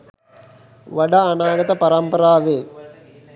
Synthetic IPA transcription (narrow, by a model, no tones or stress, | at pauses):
ʋɐɖaːnaːɡɐt̪ɐpɐɾɐmpɐɾaːʋeː